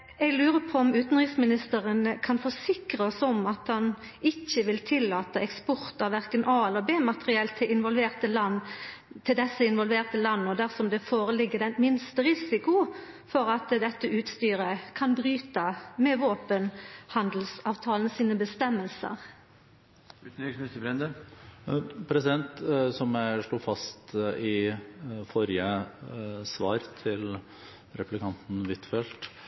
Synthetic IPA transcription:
ɛɡlʉːʁəpʰɔɔmʉːt̪n̩ʁɪksmɪnɪst̪əʁənkʰɑnfɔsɪkɾəɔsɔmɑt̪hɑn | ɪçːəʋɪlt̪ʰɪlːɑːt̪əʔɛkspɔɾt̪ɑʋæʁkənʔɑːɛlːəbeːmɑt̪əʁɪɛlt̪ʰːɪɪnʋɔlʋeːʁt̪əlɑnt̪ʰɪld̪ɛsːəɪnʋɔlʋeːʁt̪əlɑnːɔd̪æʁsɔmd̪ɛfoːɾəlɪɡːəd̪ɛnmɪnst̪əɾɪsɪkʊ | fɔɾɑt̪d̪ɛt̪ːəʔʉːt̪st̪yːɾəkʰɑnbɾyːt̪əmɛʋoːpənhɑnd̪lsɑːʋt̪ʰɑːln̩siːnəbəst̪ɛmːəlsə̰ʁ | ʉt̪̩yksmɪst̪əbɾɛnd̪ə | pʰɾɛsɪd̪ɛnt̪sɔmæɪʂɭuːfɑst̪ɪ | fɔɾjə | sʋɑ̰ːɾt̪ʰɪl | ɾɛplɪkʰɑnt̪n̩ʋɪt̪fɛlt̪

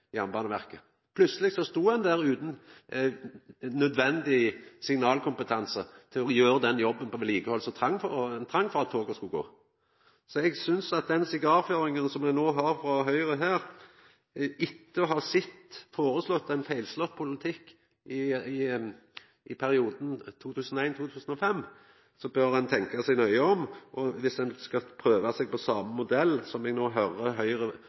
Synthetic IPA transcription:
ɪɑnbɑːnəʋæʁkə | pʰlʉsəlɪɡsɔst̪uːhɑnd̪æːɾʉːt̪n̩ | nœd̪ʋɛnd̪ɪsɪŋnɑːlkʰʊmpət̪ʰɑnsət̪ʰɪlɔjøːɾəd̪ɛnjɔbːənpʰɔʋɛliːkəhɔlsɔt̪ʰɾɑŋːfɔt̪ʰɾɑŋːfɔɾɑt̪ʰːoːɡəskʉɡo̰ː | sɔɛɡsʏnsɑt̪̚d̪ɛnsɪɡɑːɾføːɾɪŋənsɔmɛnoːɦɑɾfɾɑɦœʏɾəɦæːɾ | ɪt̪ːəɦɑʁsɪt̪ːfoːɾəslɔt̪ːɛnfæɪlslɔt̪ːpʰʊlɪt̪ʰɪkː | ɪɪ | ʔɪpʰæɾɪuːd̪n̩t̪ʰuːt̪ʰʉːsənɔæɪnt̪ʰuːt̪ʰʉːsənɔfɛmː | sɔbœɾɑnt̪ʰɛŋkɑsɛɡnœʏəɔmʔɔʋɪsd̪ɛnskɑpʰɾøːʋɑsɛɡ̚pɔsɑːməmʊd̪ɛlːsɔmɛɡnoːɦœɾəɦœʏɾə

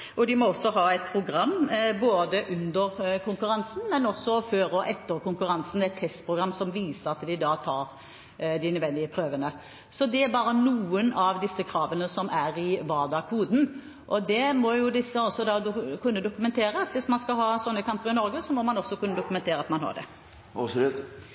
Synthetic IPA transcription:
ʔɔd̪ɪmɔɔsːɔɦɑːɛɪt̪̚pʰɾʊɡɾɑmːboːd̪əʔʉnd̪əɾkʰʊŋkʉɾɑnsn̩mɛnɔsːɔføːɾɔʔɛt̪ːəɾkʊŋkʉɾɑnsn̩d̪ɛɛt̪ʰːɛst̪pʰɾʊɡɾɑmːsɔmʋiːsəɾɑt̪d̪ɪd̪ɑːt̪ʰɑːɾ | d̪ɪnʉʋɛnd̪ɪəpʰɾøːʋənə | sɔd̪ɛæɾbɑːɾənuːənɑʋd̪ɪsːəkʰɾɑːʋənəsɔmæɾɪʋɑːʁd̪ɑkʰuːd̪n̩ | ʔɔd̪ɛmɔjʊd̪ɪsːəɔsːɔd̪ɑːd̪ʊkʉnːəd̪ʊkʉmɛnt̪ʰeːɾəɑt̪ʋɪsmɑnskɑlɦɑːsɔnːəkʰɑmpəɾɪnɔɾɡəsɔmɔmɑnɔsːɔkʰʉnːəd̪ʊkʉmɛnt̪ʰeːɾəɑt̪mɑnɦɑ̰ɖ̪ɛ̰ | ɑ̰pslʉt̪

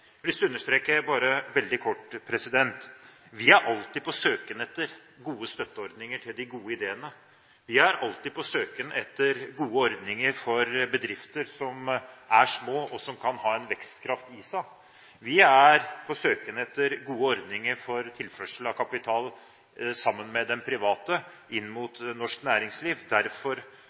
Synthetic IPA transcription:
ɪsd̪ʉɵnːəʂt̪ɾeːkəbɑːɾəʋɛld̪ɪkʰɔʈːpʰɾɛsɪd̪ɛnt̪ | ʋɪæɾʔɑlt̪ɪdpʰɔsøːkənɛt̪ːəɾ | ɡuːəst̪œt̪ːəɔɾd̪nɪŋəʈʰɪld̪ɪɡuːəɪd̪eːənə | ʋɪæɾɑlt̪ɪd̪pʰɔsøːkənɛt̪ːəɾɡuːəɔɾd̪nɪŋəɾfɔɾbəd̪ɾɪft̪əɾsɔmæʂmoːɔsɔmkʰɑnhɑːɛnʋɛkst̪kʰɾɑft̪ɪsæ | ʋɪæɾpʰɔsøːkənɛt̪ːəɾɡuːəɔɾd̪nɪŋəɾfɔɾt̪ʰɪlfœʂl̩ɑʋkʰɑpɪt̪ʰɑːl | sɑmːənmɛd̪ɛnpʰɾɪʋɑːt̪ə | ɪnːmut̪nɔʂknæːɾɪŋsliːʋd̪æɾfɔɾ

